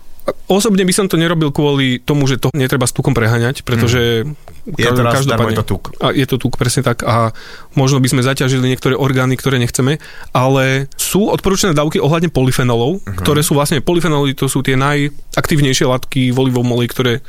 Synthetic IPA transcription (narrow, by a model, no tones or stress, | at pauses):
aɔsɔbɲɛbisɔmt̪ɔɲɛɾɔbilˠkʊɔlit̪ɔmuʒɛt̪ɔɲɛt̪ɾɛbast̪ukɔmpɾɛɦaːɲacpɾɛt̪ɔʒɛ | kaʒd̪ɔpadɲɛt̪ukajɛt̪ɔt̪uːkpɾɛsɲɛt̪aka | mɔʒnɔbizmɛzacaʒiliɲɛkt̪ɔɾɛːʔɔɾɡaːnikt̪ɔɾɛːɲɛxt͡sɛmɛ | ʔalɛsuːɔt̪̚pɔɾuːt͡ʃanɛːd̪aːʊkiʔɔɦlad̪ɲɛpɔlifɛnɔlɔʊk̪ɔɾɛːsuːʋlasɲɛpɔlifɛnɔlit̪ɔsuːt̪ɪɛnajakt̪iːʊɲɛjʃɪɛlat̪kiʋɔliʋɔʊmɔlikt̪ɔɾɛː